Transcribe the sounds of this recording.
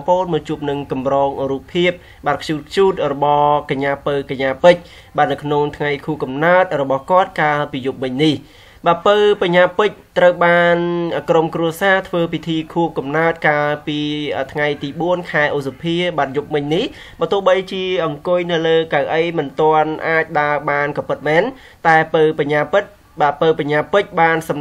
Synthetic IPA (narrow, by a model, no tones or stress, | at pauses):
poːnmɔːt͡ɕuəp̚nɨŋkɑmrɔːŋruːpʰːiəp̚ | ɓaːt̪̚kʰjuːt̪̚kʰɕuːt̪̚rɔɓɑhkaɲːaːpɨwkaɲːaːpɨc̚ | ɓaːt̪̚nɨwkʰnoŋt̪ʰŋajkʰuːkɑmnaət̪̚rɔɓɑhkŏət̪̚kaːlpiːjup̚mɨɲnih | ɓaːpɨwpaɲːaːpɨc̚t̪rəwɓaːnːkromkruəsaːt̪ʰʋəːpʰit̪ʰiːkʰuəkɑmnaət̪̚kaːlpiːəːt̪ʰŋajt̪iːɓuənkʰaɛʔuːsapʰiəɓaːt̪̚jup̚mɨɲnih | ɓaːt̪ŭəhɓəjt͡ɕiəʔɑŋkʊjnɨwləːkawʔəjmɨnt̪oənʔaːc̚ɗaəɓaːnkɑpɨt̪̚mɛːn | t̪aɛpəpaɲaːpɨt̪̚ | ɓaːpəpaɲːaːpɨc̚ɓaːnsɑm